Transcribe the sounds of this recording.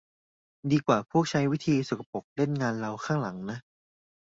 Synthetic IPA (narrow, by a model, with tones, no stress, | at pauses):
diː˧kwaː˨˩pʰuː˥˩k̚t͡ɕʰa˦˥jwi˦˥t̪ʰiː˧su˨˩kʰa˧po˨˩k̚le˥˩nŋaː˧nɾa˧wkʰaː˥˩ŋla˩˦ŋna˦˥ʔ